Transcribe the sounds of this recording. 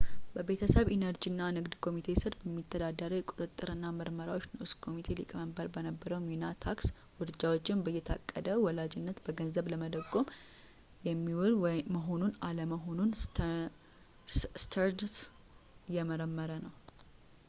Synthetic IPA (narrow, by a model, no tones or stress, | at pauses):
bəbe̞t̪ʰəsəβenəɾd͡ʒinːanɨɡd̪kʰo̞mit̪ʰe̞sɨɾbəmːit̪ʰːəd̪ad̪ːəɾəjɛkʼu̥t̪ʼɨt̪ʼːɨɾɨnːaməɾməɾawot͡ʃːnʊskʰo̞mit̪ʰe̞likʼməmbəɾbənəbːəɾəwminat̪ʰaks | wʊɾɨd͡ʒawot͡ʃːɪnbəjːɛt̪ʰa̰kʼːəd̪əwɔlad͡ʒɪnːət̪bəɡənzəβləməd̪əɡʼom | jɛmːiwɾməɦo̞nunaləməɦo̞nun | st̪ʰəɾd̪s | jɛməɾəmːəɾənəw